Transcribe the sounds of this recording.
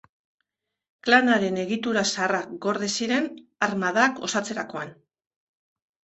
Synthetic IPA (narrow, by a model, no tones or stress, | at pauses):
klanaɾe̞ne̞ɣit̪uɾasarakɡo̞ɾðesiɾe̞naɾmaðako̞̰sat͡se̞ɾako̞an